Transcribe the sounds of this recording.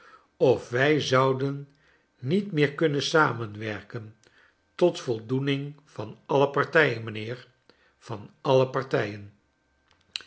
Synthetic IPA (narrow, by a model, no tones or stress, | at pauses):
ɔfʋɛjzɑwdənː | itmɪːɹkɵnənsaːmənʋɛɹkən | tɔtfɔlˠdunɪŋv̥ɑnɑləpɑɹtɛjənmənɪːɹ | v̥ɑnʔɑləpɑɹtɛjən